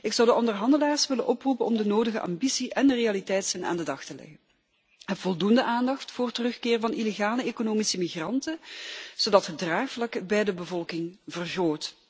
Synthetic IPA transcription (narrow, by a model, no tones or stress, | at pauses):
ɪksɑwdəʔɔndərɦɑndəlaːrsʋɪlə̰nʔɔprupənɔmdənoːdəɣəʔa̰mbisiʔɛnərejalitɛjtsəna̰ːndədɑxtəlɛ̰ɣən | əvɔlˠdundəʔaːndɑxtfʊːrtərɵxkɪːrvɑnʔileɣaːləeːkonoːmisəmiɣrɑntənz̥odɑtɦədraːxflɑkəbɛjdəbəvɔlˠkɪŋvərɣoːt